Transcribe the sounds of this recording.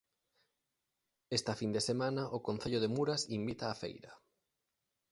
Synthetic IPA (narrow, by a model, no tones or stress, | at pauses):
est̪ɐfind̪esemanɐʔokon̟θeʎoð̞emuɾasimbit̪aːfḛjɾɐ